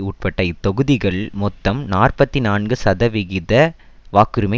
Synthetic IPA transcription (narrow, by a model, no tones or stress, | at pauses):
uːʈ̚pɐʈːɐɪt̪ːɔɣɯðɪɣɐɭmɔt̪ːɐmnaːrpɐt̪ːinaːnɡɯsɐðɐʋɪɣɪðɐ | ʋaːkɯɾɯmɐ